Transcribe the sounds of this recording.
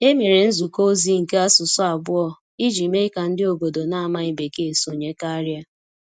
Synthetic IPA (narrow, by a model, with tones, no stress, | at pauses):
e˦mi˨ɾe˨n̩˦zu˨ko˦zi˦ŋ̩˨ke˦a˦sʊ˨sɔ˦a˨ɡ͡bʊ˦ɔ˦˨ | i˦d͡ʒi˨me˦ka˨n̩˦dɪ˦o˨bo˨do˨na˦a˨ma˦i˦be˨ke˦˨so˨ɲe˦ka˦ɾja˦